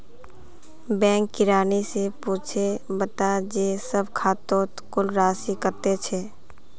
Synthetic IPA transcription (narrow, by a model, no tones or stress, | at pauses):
bɛ̃ːŋkːɪɾaːnisepuːt͡ʃʰebət̪ad͡ʒeːsəbkʰaːt̪õːt̪kʊlɾaːsikəɾt̪et͡ʃʰeː